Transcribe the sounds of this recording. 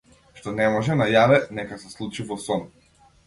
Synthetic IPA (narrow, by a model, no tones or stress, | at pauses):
ʃt̪ɔnɛmɔʒɛnajavɛnɛkasɛslˠut͡ʃivɔsɔn